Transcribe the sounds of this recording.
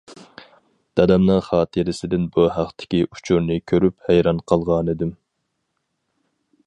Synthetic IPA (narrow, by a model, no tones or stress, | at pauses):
d̪̥ɑd̪ɛmnɨŋχɑːt̪ʰɨɾɪsɪd̪ɪnbuɦæqt̪ʰɪ̥kʲiʔu̥t͡ʃʰuɾnɨkʲʰøɾyphæjɾɑnqʰɑlˠʁɑnɨd̪ɪm